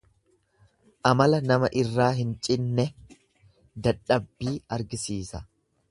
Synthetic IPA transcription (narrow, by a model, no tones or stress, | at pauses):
ʔɐmɐlɐnɐmɐʔɪrːaːɦɪnt͡ʃʼɪnːɛ | d̪ɐᶑːɐbːiːɐɾɡɪsiːsɐ